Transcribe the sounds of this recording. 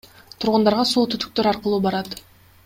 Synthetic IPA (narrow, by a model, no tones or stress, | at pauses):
t̪ʰuɾʁʊnd̪ɑɾʁɑsoːt̪ʰyt̪y̥k̚t̪øɾɑɾqəlˠuːbɑɾɑt̪